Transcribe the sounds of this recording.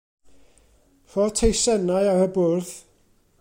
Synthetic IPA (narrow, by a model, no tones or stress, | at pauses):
r̥ɔtʰejsɛnajaɾəbʊrθ